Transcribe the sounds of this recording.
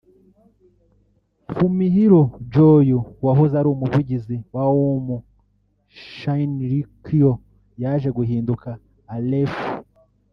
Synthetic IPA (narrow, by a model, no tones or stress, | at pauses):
fumiɦiɾod͡ʒojuwaɦozaɾuumuvuɟiziwawomu | ʃainɾikio | jaʒe̞ɡuɦiːndukaː | lef